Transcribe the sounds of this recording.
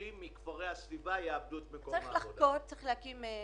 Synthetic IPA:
imːikvaʁejasvivajeabduet̪mekoaʁiχlaχot̚t͡saʁiχleakime

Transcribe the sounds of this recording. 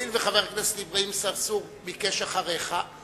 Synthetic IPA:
ilveχaveʁknasdivʁiimsavsuʁ | mikeʃaχaʁeχa

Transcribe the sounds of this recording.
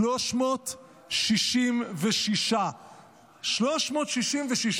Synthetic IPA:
loʃmoːt̪ | ʃiʃimveʃiʃa | ʃloʃmoːt̪ʃiʃimveʃiʃ

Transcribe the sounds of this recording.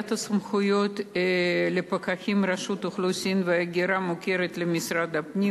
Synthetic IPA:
t̪ɐsɐmχʊjot̪ | lepɐkaxʲimraʃut̪ʊχlusʲimvɨaɡʲiɾamokʲeɾet̪lɪmʲisɾad̪ɐpnʲi

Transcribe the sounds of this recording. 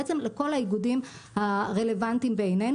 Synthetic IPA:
et͡se̞mleko̞lhajiɡudim | haʁe̞le̞vant̪imbeejne

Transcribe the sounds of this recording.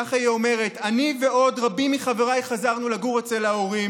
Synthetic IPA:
aχaiome̞ʁe̞tanive̞ʔo̞d̪ʁabimiχave̞ʁajχazaʁnulaɡuʁet͡selaoʁi

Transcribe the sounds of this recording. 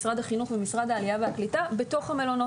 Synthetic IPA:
sʁad̪aχinuχvemisʁad̪aːliaveaklitabe̞to̞χhame̞lo̞no

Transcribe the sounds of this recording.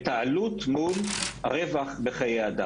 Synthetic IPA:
t̪aalut̪mulʁevaχbeχajejad̪a

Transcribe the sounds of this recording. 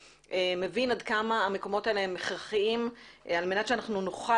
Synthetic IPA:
ʔemevinadkamaːmeko̞mo̞taeleemːeχʁaχiimalmenatt͡ʃeanaχnunoχa

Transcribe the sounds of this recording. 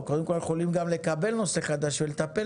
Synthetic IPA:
kod̪emko̞ljeχo̞limɡamle̞kabe̞lno̞se̞χad̪aʃvelet̪ape

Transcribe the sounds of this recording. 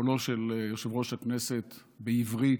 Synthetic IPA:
oloʃelʃelʁo̞ʃaknese̞t̪ | beivʁi

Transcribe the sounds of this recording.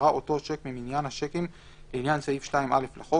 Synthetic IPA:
ʁaʔo̞to̞ʃekmiminjanhaʃekim | leinjansaifʃtaimʔale̞flaχo

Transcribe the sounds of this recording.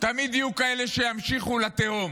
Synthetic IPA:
t̪amid̪jijukaele̞ʃejamʃiχulat̪eom

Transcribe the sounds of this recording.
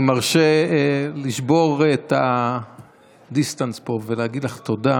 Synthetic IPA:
maʁʃeliʃbo̞ʁet̪a | d̪ist̪anspo̞veleaɡid̪laχt̪o̞da

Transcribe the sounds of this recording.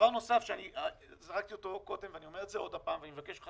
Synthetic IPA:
vaʁno̞safʃeani | zaʁak̚t̪iot̪o̞ko̞d̪emveanio̞me̞ʁetzeo̞d̪hapaːmveanimevakeʃlea

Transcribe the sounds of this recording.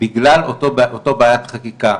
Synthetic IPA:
biɡlalotootobaːjat̪χakika

